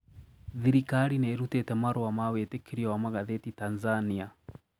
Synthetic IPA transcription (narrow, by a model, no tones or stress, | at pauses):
ðiɾikaɾineɾutetɛmaɾowamawetekʰeɾiawamaɣaðetitanzania